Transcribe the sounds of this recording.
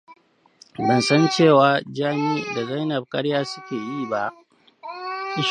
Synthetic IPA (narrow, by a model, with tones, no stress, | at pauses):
bɐ˨nsɐ˦nt͡ʃeː˦˨waː˨˦d͡ʒaː˦miː˦da˨za˦jnɐ˨b̚kʼɐ˦ɽjaː˦sʊ˦kʲeː˨jiː˦˨ba˦˨ʔ | ʔɪ˦ʃ